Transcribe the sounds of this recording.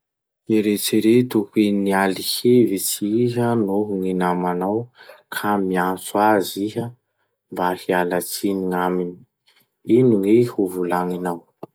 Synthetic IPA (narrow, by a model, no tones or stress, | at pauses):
eɾet͡siɾet̪ukenialihevit͡siɦənoɦuŋinamanawkʰamiant͡suaziɦə | mbahialat͡siniŋamini̥ | iniŋwehuvulaŋinaw